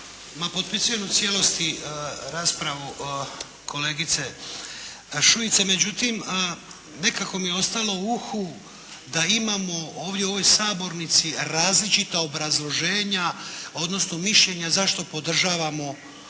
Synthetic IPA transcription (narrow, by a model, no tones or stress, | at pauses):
mapo̞t̪̚pisuje̞mut̪sʲje̞lo̞st̪iɾaːspɾaʋu | kʰo̞le̞ːɡit̪se̞ | ʃuit̪se̞me̞d͡ʑut̪im | ne̞kako̞mijeo̞st̪alo̞uxu | d̪aimamo̞o̞ːʋd̪jeo̞ʋo̞jsaːbo̞ɾnit̪siɾaːzlit͡ʃit̪aobɾazlˠo̞ʒe̞ːɲao̞d̪no̞sno̞miʃʎe̞ɲazaʃt̪o̞po̞d̪r̩ʒaːʋamo̞